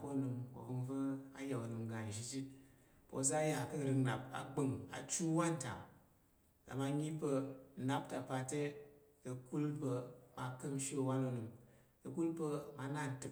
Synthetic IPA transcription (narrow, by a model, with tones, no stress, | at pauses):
po˦˨nɨ˨mko̰˨vɨ˧ŋvə˦a˦jɛ˨o˨nɨ˨mɡa˨n˨ʒi˦d͡ʒi˦ | po̰˨˦za˦ja˨kɨ˦˨ɾɨ˧ŋna˨p̚a̰˨ɡ͡bɨ˦ŋa̰˨t͡ʃu˦wa˦n˦ta̰˨m | ka̰˨ma˧ɲi˦pə˧˨na˦p̚ta˨pa˧te˦ | kə˨ku˦lpə˧ma˨kɨ˦mʃi˦o˨wa˦no˦˨nɨ˨m | kə˨ku˦lpə˧ma˧˦na˦˨n˨tɨ˨